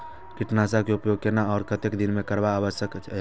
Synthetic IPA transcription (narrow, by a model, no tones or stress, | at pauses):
kɪʈnasakeʊpjoɡ̚kenaɔːɾkət̪ekd̪ɪnmẽkəɾbaːʋəʃjəkt͡ʃ